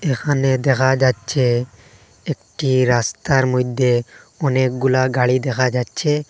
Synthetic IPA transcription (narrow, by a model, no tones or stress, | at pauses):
exʰaned̪ekʰad͡ʒat͡ʃʰeː | kʈiɾast̪aɾmɔjd̪ʱje | ɔnek̚ɡulaɡaɽid̪ekʰad͡ʒatt͡ʃʰe